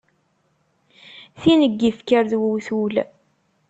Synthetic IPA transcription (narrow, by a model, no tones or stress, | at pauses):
θinəɡːifkəɾðwəwθul